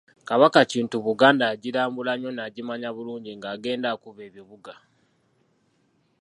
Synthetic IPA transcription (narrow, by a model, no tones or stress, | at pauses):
kaβakaciːntuβuɡaːndaɟiɾaːmbulaɲo̞naɟimaɲaβuluːɲɟiŋɡaːɡe̞ːndakuβe̞ːβiβuɡa